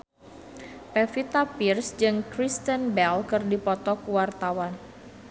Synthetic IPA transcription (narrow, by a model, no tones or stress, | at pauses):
pɛfit̪apirsd͡ʒɨŋkɾist̪ənbɛlkɨrdipɔt̪ɔkuwart̪awan